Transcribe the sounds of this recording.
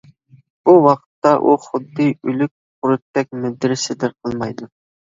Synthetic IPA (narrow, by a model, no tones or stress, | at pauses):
buwɑqʰt̪ːɑʔuχʊd̪ːɨylyk̚ʲqʊɾut̪ːɛk̚ʲmɪd̪ɪɾɪsɪd̪ɪɾqʰəlˠmɑjd̪u